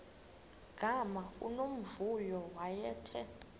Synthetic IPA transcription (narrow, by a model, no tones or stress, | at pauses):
ɡ̥ʱamaṵnom̩vujɔwajɛːtʰɛ